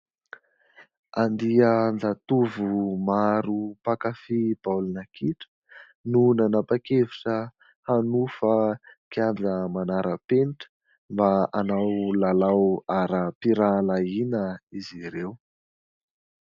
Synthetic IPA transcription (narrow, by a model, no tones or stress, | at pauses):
and̪iənd͡zat̪uvumaɾupakafib̥awlunəkiʈ͡ʂə̥ | nunanapakeviʈ͡ʂə | hanufəkiand͡zəmanaɾʔəpeniʈ͡ʂə̥ | mbaanawlalawaɾəpiɾalainəiziɾew